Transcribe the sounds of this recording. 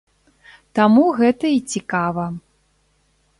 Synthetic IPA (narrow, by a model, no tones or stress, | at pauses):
t̪amuɣɛt̪ɐit͡sʲikavɐ